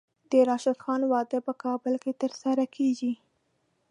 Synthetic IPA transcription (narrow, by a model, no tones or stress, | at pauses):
d̪̥əɾɑʃad̪xɑnwɑd̪əpəkɑbəlket̪əɾsaɾakʰeɡi